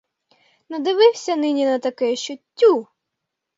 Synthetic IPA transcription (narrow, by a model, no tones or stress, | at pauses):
nɐd̪ɪʋɪwsʲɐnɪnʲinɐt̪ɐkɛʃt͡ʃɔtʲːu